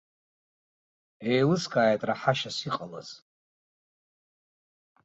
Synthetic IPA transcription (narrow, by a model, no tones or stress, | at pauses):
ejlɨskʼaːjatʼraħaʃasiqʼala̰z̥